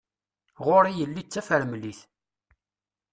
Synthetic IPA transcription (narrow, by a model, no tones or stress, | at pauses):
ʁʊɾijəlːit͡sːæfəɾmliθ